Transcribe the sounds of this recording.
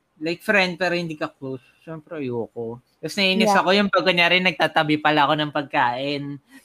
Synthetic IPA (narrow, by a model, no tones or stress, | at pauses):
lajk̚fɾɛnd̪̚pɛːɾohɪnd̪iːkɐklows | ʃɛːmpɾɛjoːko | t̪ɐsnɐʔiːnɪsɐkojʊnpaɡ̚kːoɲaɾɪnɐɡ̚t̪aːt̪ɐbɪpɐlaɐko̞nɐŋpɐɡ̚kaːʔɪn